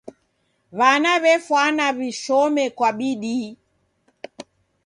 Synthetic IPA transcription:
βanaβɛfwanaβiʃɔmɛkwaɓiɗi

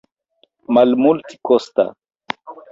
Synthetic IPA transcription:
malmult̪i̥kɔst̪a̰

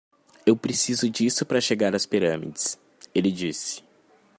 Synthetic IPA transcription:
ewpɾesizʊd͡ʒisʊpɾɐʃeɡaɾɐspiɾɐ̃mḭd͡ʒɪs | elɪd͡ʒisɪ̥

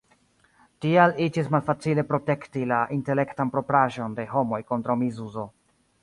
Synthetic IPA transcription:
tialid͡ʒismalfat͡sile̞pɾo̞te̞ktilaʔinte̞le̞ktanpɾo̞pɾaʒo̞nde̞ɦo̞mo̞jko̞ntɾawmizuzo̞

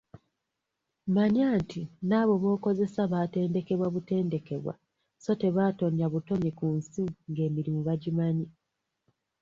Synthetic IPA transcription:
maɲaːntinaːβo̞βo̞ːko̞ze̞saβaːte̞ːnde̞ke̞βwaβute̞ːnde̞ke̞βwa̰ | so̞te̞βaːto̞ɲjaβuto̞ɲekuːnsiŋɡe̞ːmiɾimuβaɟimaɲi

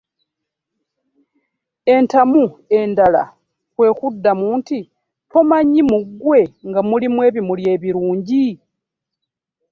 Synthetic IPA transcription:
e̞ntamue̞ndala̰ | kwe̞ːkudːamuːnti | tʰo̞maɲimuɡwe̞ŋɡamulimwe̞ːβimulje̞ːβiɾuːɲɟi

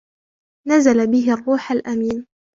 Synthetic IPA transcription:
nazalabɪɦɪrˤːuːħalʔamiːn

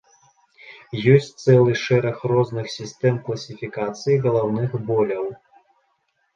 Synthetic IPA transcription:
jɔsʲt͡sʲt̪sɛlˠɨʂɛɾɐxrɔznɨxsʲist̪ɛmklˠɐsʲifʲikat̪sɨjiɣɐlˠawnɨxbɔlʲɐw

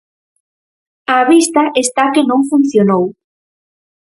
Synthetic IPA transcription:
aːβist̪aʔest̪akenõŋfun̟θjonow

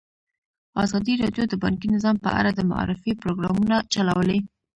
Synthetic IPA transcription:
ɑzɑd̪iɾɑɖjod̪əbɑ̰ŋk̬inɪzɑmpə̰ʔa̰ɾad̪əma̰ɑ̰ɾɪfipɾoɡɾɑmunat͡ʃalawəle

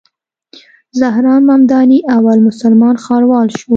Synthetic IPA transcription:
zahɾɑnmamd̪ɑniʔawalmʊsalmɑnxɑɾwɑlʃo

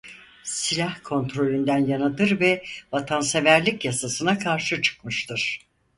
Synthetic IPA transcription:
silʲahkʰo̞nt̪ɾo̞lʲynd̪ænjanat̪ɯɾvɛvat̪ʰansevæɾlʲicjasasɯnakʰaɾʃɯt͡ʃʰɯ̥kmɯʃt̪ʰɯɾ̥

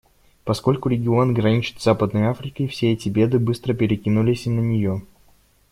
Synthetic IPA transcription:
pɐsko̞lʲkʊɾʲɪɡʲɪo̞nɡɾɐnʲit͡ɕɪ̥t̪zapəd̪nəjafɾʲɪkəifsʲeɛtʲɪbʲe̞d̪ɨbɨst̪ɾəpʲɪɾʲɪkʲinʊlʲɪsʲnənʲɪjo

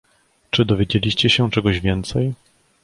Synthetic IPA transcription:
t͡ʂɘd̪ɔvʲjed͡ʑelʲiɕt͡ɕɛɕɛt͡ʂɛɡɔʑvʲjɛnt̪sɛj

